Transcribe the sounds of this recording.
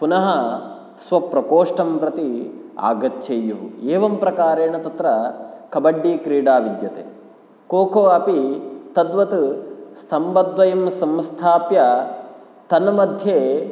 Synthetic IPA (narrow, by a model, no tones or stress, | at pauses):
punɐɦɐ | sʋɐpɾɐkoːʂʈɐmpɾɐt̪ia̰ːɡɐt̪ːt͡ʃejuʋṵeːʋɐmpɾɐkaːɾeːɳɐt̪ɐt̪ɾɐkɐbɐɖːiːkɾiːɽaːʋid̪jɐt̪ḛː | koːkʰoːɐpit̪ɐd̪ʋɐt̪ust̪ʰɐmbɐd̪ʋɐjɐmsɐmst̪ʰaːpjɐ | t̪ɐnɐmɐd̪ʱjeː